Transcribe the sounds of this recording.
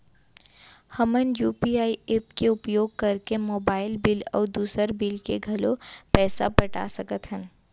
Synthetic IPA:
hɐmənjuːpiaːieːpkeʊpjoːɡ̚kɐɾkemoːbaːɪlbɪlɔ̰ːɾd̪uːsəɾbɪlkeɡʱɐlopɛːsa̰pəʈa̰sɐkət̪ɦən

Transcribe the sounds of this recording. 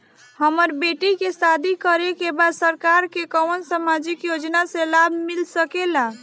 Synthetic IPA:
həməɾbeʈikesad̪ʱikəɾekebad̪səɾkaɾkekəwnsamad͡ʒikjod͡ʒnasẽlabʱmilsəkela

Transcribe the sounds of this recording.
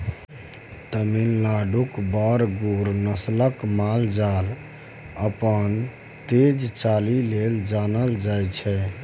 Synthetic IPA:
t̪əmilːaɖukbəɾɡuɾnəsləkmald͡ʒal | əpən | t̪ed͡ʒt͡ʃalileld͡ʒanəld͡ʒajt͡ʃʰɛ

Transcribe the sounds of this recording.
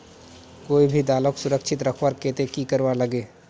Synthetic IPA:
koːibʱid̪aːloksʊɾəkʃʰɪt̪ɾəkʰwaːɾkeːt̪ekikəɾwaləɡeː

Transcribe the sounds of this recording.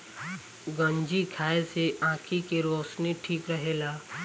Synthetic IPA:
ɡə̃ɲd͡ʒikʰaːeseʔãːkʰikeɾoːsniʈʰiːkɾɐɦeːlaː

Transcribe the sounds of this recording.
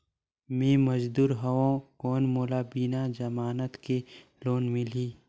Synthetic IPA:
mẽːmɐd͡ʒd̪uːɾɦɐwõːkoːnmoːlaːbinad͡ʒɐmaːnət̪ke | loːnmɪliː

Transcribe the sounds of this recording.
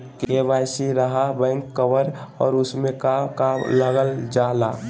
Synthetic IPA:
kebaːjsiɾəɦabɛ̃ːŋkːəʋəɾɔːɾʊsmẽkakaləɡəld͡ʒaːla̰ː

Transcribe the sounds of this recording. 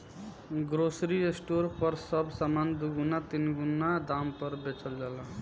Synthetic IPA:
ɡɾosɾiesʈoɾpəɾsəbʱsamand̪uɡunat̪inɡunːad̪ampəɾbet͡ʃəld͡ʒala

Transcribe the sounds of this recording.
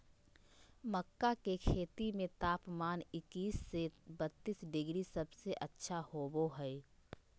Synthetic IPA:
məkːakekʰeːt̪imẽt̪aːpmaːnɪkiːsːebət̪ːiːsɖɪɡɾisəbseʔətːʃʰahoːboɦɛɛ

